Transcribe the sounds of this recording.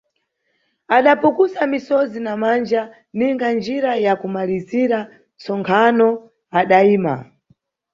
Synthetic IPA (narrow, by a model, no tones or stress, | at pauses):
aɗapukusamisɔzinamand͡ʒa | niŋɡand͡ʒiɾajakumaliziɾa | t͡sɔŋkʰanɔ | aɗaiːma̰